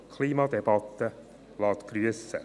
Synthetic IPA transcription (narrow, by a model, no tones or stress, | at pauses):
kʰliːmɑd̪ɛbɑt̪ːə | lɑːt̪ɡ̥ɾyəsə̰